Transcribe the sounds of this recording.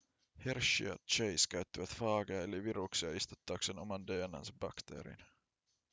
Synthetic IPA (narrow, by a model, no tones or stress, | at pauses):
herʃḭɑ̰t̪t͡ʃejskæɥt̪ːiʋæt̪fɑːɡeɑeliʋiɾuksiɑist̪u̥t̪ːɑːkseno̞mɑndeːnːɑ̰nsɑb̥ɑkt̪ḛːɾḭn